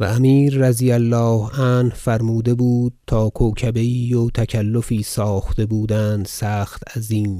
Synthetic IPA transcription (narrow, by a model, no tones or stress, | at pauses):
væ̰ːmiːɾːæzijælːɒːhænhfæɾmuːd̪e̞buːd̪̥̚t̪ʰɒːkʰoːcʰæbe̞iːjot̪ʰækʰælːofiːsɒːxt̪e̞buːd̪ænd̪sæːxt̪æziːn